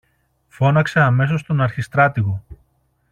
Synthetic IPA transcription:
fo̞nɐkseɐme̞so̞st̪onɐɾçist̪ɾɐt̪iɣo̞

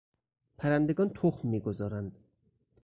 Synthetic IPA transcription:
pʰæɾænd̪eɡɒːnt̪ʰoχmːiːɡozɒːɾænd̪̥

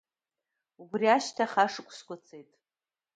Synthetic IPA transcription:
ubriaʃtʰaχaʂɨkʷʼskʷat͡sʰʼejtʼ

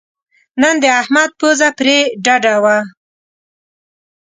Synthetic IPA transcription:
nənd̪əahmad̪̚pozapɾeɖaɖawa

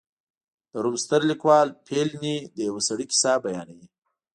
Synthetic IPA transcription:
d̪̥əɾumst̪əɾlikwɑlpʰelnid̪əjawasaɽikɪ̥sɑbajɑnawi

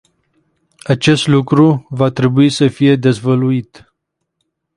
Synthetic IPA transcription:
at͡ʃe̞st̪lukɾuvat̪ɾe̞buisəfije̞d̪e̞zvəluit̪

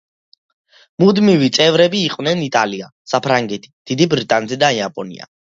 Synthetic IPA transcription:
mud̪mivit̪sʼɛvɾɛbiːqʼwnɛnit̪ʼaliasapʰɾaŋɡɛt̪ʰi̥d̪̥id̪ibɾit̪ʼanzɛd̪aiapʼɔnḭa̰

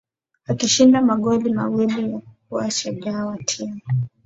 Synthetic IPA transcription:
akiʃindamaɠɔlimawilijak̚uaʃaʄawatʰia

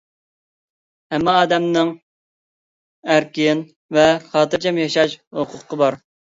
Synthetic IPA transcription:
hɛmːɛɑːd̪ɛmnɨŋ | æɾkʲɪn | vɛχɑːt̪ɨɾd͡ʒɛmjɑʃɑʃhoqʰʊqʰːəbɑɾ

